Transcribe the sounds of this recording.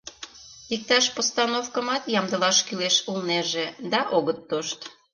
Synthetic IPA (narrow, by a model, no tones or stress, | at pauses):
ik̚t̪ɑʃpost̪ɑnofkə̆mɑt̪jɑmd̪ə̆lɑʃkyleʃulneʒed̪ɑʔoɣət̪ːoʃt̪